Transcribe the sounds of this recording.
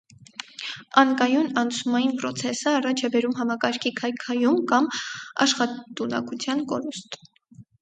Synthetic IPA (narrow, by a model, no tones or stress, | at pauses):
ɑnkɑjunɑnt͡sʰumɑjinpɾɔt͡sʰɛsəɑrɑt͡ʃʰɛbɛɾumɦɑmɑkɑɾkʰikʰɑjkʰɑjumkɑmɑ̰ʃχɑt̪unɑ̰kut͡sʰjɑnkɔ̰ɾust̪